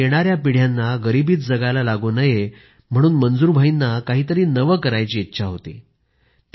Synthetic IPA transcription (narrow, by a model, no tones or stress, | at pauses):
eɽ̃aɾjapiɽ̤janːaɡəɾibiːt̪̚d͡zəɡajlalaɡunəje | m̤əɽ̃uːnmənd͡zuːɾbʱainːakaɦiːt̪əɾiːnəʋəkəɾajt͡ɕiːit̪ːɕʰaɦot̪ḭː | t̪